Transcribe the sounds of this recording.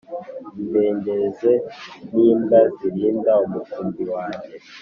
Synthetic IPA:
beːŋɡezeniːmbaziɾiːndaumufuːmbiwaːje

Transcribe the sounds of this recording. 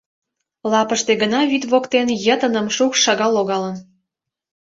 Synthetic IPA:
lɑpəʃt̪eɡənɑβit̪βokt̪enjət̪ənə̆mʃukʃɑɣɑloɣɑlən

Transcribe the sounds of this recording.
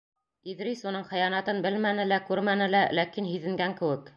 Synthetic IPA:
iðɾisunɤɴχɘ̆jɑnɑt̪ɤnbɘlmænɘ̆lækʉɾmænɘ̆lælækinɦiðɘ̆ŋɡæŋkɘ̆wɘk

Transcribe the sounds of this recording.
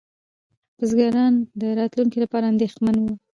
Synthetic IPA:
bəzɡɑɾɑnd̪əɾɑt̪luŋkilapɑɾaːnd̪exmanwu

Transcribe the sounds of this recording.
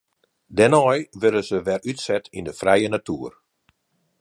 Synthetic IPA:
dɛnɔjʋɪɾəzəʋɛrytsɛtindəfrɛjənatuːər

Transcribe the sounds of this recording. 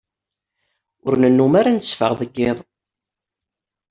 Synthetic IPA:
ʊɾnənːumaɾansfə̰ʁðəɡːɪðˤ

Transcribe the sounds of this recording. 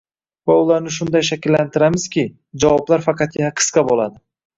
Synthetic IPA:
vaʊlˠaɾnɪʃ̬ʊnd̪ajʃ̬akʲɪlːant̪ʰɪɾamɪz̥kʲɪ | d͡ʒavɒblaɾfɑqʰɑt̪jaaqʰɨ̥sqɑbolˠad̪ɪ

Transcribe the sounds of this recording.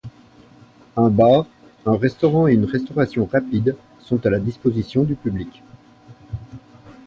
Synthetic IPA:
ɛ̃baːʁ | ɛ̃ʁɛst̪ɔʁɑ̃eynʁɛst̪ɔʁasjɔ̃ʁapid̪ | sɔ̃t̪alad̪ispozisjɔ̃d̪ypyblikʲ

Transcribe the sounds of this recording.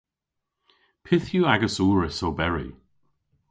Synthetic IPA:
pʰɪθjuaɡəsuːɹəsowbɛɹḭ

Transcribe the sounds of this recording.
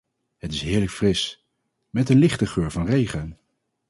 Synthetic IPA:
ɦətɪsɦɪːɹləkfrɪs | mɛtənlɪχtəχøːɹvɑnrejχən

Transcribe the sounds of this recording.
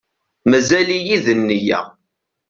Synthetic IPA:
mæzælijiðənːijæ̰

